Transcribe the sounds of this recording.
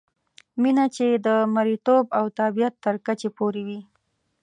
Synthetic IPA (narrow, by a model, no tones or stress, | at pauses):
minat͡ʃed̪əmaɾit̪obawt̪abijat̪ːəɾkat͡ʃepoɾewi